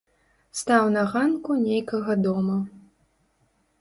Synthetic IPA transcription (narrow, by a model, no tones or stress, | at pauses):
st̪awnɐɣankunʲejkɐɣɐd̪ɔmɐ